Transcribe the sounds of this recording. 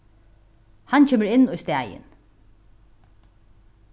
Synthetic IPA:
hancʰeːməɾɪnːujst̪æːjɪ̰n

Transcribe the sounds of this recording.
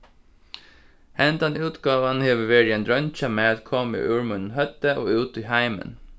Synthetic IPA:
hɛnt̪ɑnʉːt̪ɡɑːʋɑnheːʋəʋeɾɪɛnd̪ɾœnçɑmeːɑt̪kʰɔmḭːʔʉːɹmʉnn̩hœt̪əʔoːʉːt̪iːhæɪmə̰n

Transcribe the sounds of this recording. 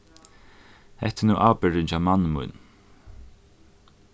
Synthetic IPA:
hɛ̰ht̪ːɪnuːʔaːpɪɹɪnt͡ʃawmanːmṵjn

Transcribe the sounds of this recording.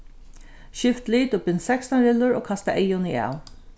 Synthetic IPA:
ʃɪft̪liːt̪ʊpɪnsɛkst̪anɾɪlːʊɹoːkʰɑst̪aʔɛjʊnia̰ːl

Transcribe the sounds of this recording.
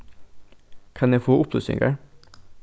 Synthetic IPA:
kʰɑnjæfoːʔʊpnosʏ̰ŋɡə̰

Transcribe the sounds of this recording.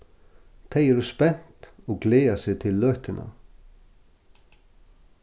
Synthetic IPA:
t̪ʰejɛɾʏspɛn̥t̪ɔɣɡleːasɪt̪ʰɪlːœːht̪ɪnʔa̰

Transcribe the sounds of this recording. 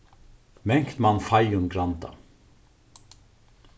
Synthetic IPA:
mɛŋ̥kt̪manfajʊnɡɾant̪a̰

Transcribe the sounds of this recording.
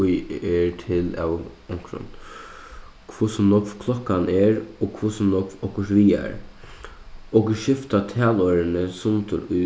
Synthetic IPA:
ʊjɛɹtʰɪlæ̰wʊŋkɾʊ̰n | kʰʋʊsɔmnɔkfkʰlɔkːanɛɹokʰvʊsɔmnɔkvɔkʊʂʋiːa̰ɾ | ɔkɪʃɪft̪at̪ʰɛːlɔːɾɪnəsʊnt̪ʊ̰ɾʊ

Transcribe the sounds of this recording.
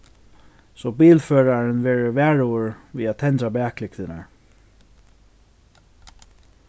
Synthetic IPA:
sɔbiːlfœːɹaɹɪnʋɛːɹəvæːɹʊʊɹviːat̪ʰɛnt̪ɾabɛːklɪkt̪ɪna̰ɹ

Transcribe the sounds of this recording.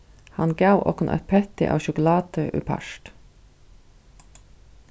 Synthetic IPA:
hɑnɡɑʉʔo̰ːkʊnʔœ̰ɾpʰɛt̪ɪ̰ʔo̰ːʃʊkʊlɑːt̪əʔʉ̰ːpʰɑ̰ʃʈ

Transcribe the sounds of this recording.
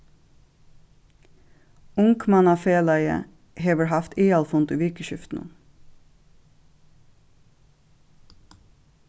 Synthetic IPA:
ʊŋkmɑnɑːfeːlæɪə̰ | heːʋəɾhɑft̪eːɑlfʊnt̪ʉːʋɪkəʃʏft̪n̩̰

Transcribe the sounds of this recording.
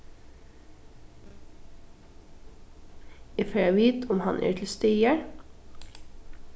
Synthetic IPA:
ɛføːæɪʋiːt̪ʰʊmhɑnʔḛːtʰl̩st̪œʏəɾ

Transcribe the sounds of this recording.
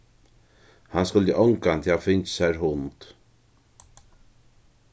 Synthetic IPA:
hanskʊlt̪əʔɔwŋkant̪ʰɪafɪnt͡ʃsaɾɦʊnt̪

